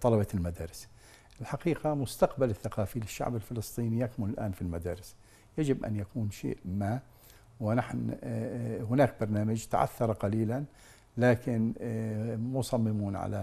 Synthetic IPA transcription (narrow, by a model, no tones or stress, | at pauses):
t̪ˤɑlɑbɑlmad̪aːɾɪs | ʔɪlħaqiːqamʊst̪aqbalɪθːaqɑːfilɪʃːa̰ʕbɪlfɪlɨsˤt̪ˤiːnijakmʊlɪlʔa̰ːnfilmad̪aːɾɪs | jad͡ʒɪbʔa̰njakuːnʃḛːʔma | wɪnaħn | hʊnaːkbɑɾˤnaːmad͡ʒt̪a̰ʕa̰θːɑɾˤɑqɑliːlan | laːkɪn | musˤɑmːɪmuːnʕa̰la